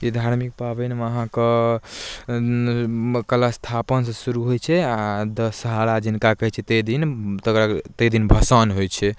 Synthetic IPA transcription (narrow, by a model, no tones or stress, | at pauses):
id̪ʱaɾmik̚pabɛnmeəɦãkə | kəlast̪ʰapənsə̃suɾuɦojt͡ʃʰɛad̪əsəɦalad͡ʒinkakəɦɛt͡ʃʰɛt̪əd̪int̪əkɾat̪əd̪inbʱəsənɦojt͡ʃʰɛ